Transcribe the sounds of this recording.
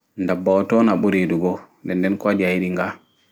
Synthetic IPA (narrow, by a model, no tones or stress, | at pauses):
ndabːaɔtɔnaɓoɾeduɡɔndɛndɛnkwadiajiɾiŋɡa